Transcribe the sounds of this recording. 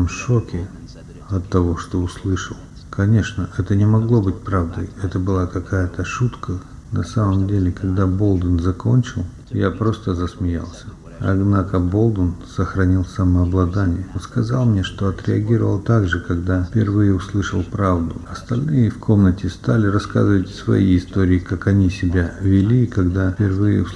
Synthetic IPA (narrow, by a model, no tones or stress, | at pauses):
mʂokʲɪ | ɐt̪ːɐvo̞ʂt̪o̞ʊslˠɨʂəlˠ | kɐnʲe̞ʂnəʔɛt̪ənʲɪmɐɡlˠo̞bɨtʲpɾavd̪əjɛt̪əbɨlˠakɐkajət̪əʂut̪kʰə | nɐsaməmdʲelʲɪkɐɡd̪abo̞lˠd̪ənzɐko̞nʲt͡ɕɪlˠ | japɾo̞st̪əzəsmʲɪja̰lˠsʲə̥ | ɐ̰d̪nakəbo̞lˠd̪ənsəxɾɐnʲilˠsɐməɐblˠɐd̪anʲɪjəonskɐzalˠmnʲeʂt̪o̞ɐt̪ɾʲɪɐɡʲiɾəvə̰lˠt̪aɡʐɨkɐɡd̪apʲɪrvɨjəʊslˠɨʂəlˠpɾavd̪ʊɐst̪ɐlʲnɨjəfkʰo̞mnətʲɪst̪alʲɪrɐska̰zɨvətʲsvɐ̰jiɪst̪o̞ɾʲɪːkakɐnʲisʲɪbʲavʲɪlʲiːkɐɡd̪apʲɪrvɨjə̰